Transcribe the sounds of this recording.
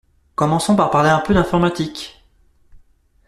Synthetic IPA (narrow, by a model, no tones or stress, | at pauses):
kɔmɑ̃sɔ̃paʁpaʁleɛ̃pød̪ɛ̃fɔʁmat̪ik